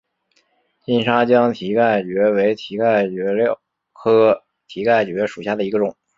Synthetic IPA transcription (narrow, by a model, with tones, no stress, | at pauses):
t͡ɕi˥˩nʂa˥t͡ɕjɑ˥ŋt̪ʰi˧˥ka˥˩ɪt͡ɕɥɛ˧˥we˧˥ɪt̪ʰi˧˥ka˥˩ɪt͡ɕɥɛ˧˥ljɑ˥˩ʊ | kʰɤ˥ | t̪ʰi˧˥ka˥˩ɪt͡ɕɥɛ˧˥ʂu̥˨˩ɕja˥˩d̪ə˩i˧˥ɡə˧ʈ͡ʂʊ˨˩˦ŋ